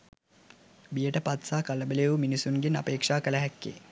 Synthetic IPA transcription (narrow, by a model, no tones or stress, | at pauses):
bijəʈəpat̪saːkaləbəleʋuminisuŋɡena̰peːkʂaːkələɦɛkːḛ